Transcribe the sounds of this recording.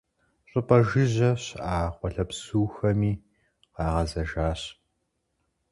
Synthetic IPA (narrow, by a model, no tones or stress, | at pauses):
ɕʼʊpʼɐʒɨʑɐɕʔaːχʷɔɬɐpsuːxɐmiː | qɑːʁɐzɐʒaːɕ